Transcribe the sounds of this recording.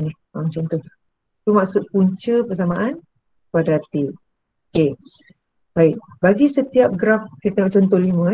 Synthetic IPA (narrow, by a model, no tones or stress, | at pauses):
ni | amt͡ʃɔnt̪ɔh | t̪umaksut̪̚puɲt͡ʃəpəs̬amaʔan | padat̪i | oke | baɪk̚baɡisət̪iap̚ɡɾafkit̪əŋaʔt͡ʃɔnt̪ɔhlimə̃